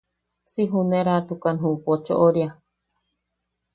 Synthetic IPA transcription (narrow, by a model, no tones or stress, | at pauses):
siɦuneɾat̪ukanɦupot͡ʃo̰ʔoɾja